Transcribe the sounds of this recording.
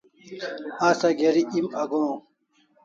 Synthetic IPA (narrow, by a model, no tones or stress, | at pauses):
ãːsɐɡeɾiʔimɐɡõ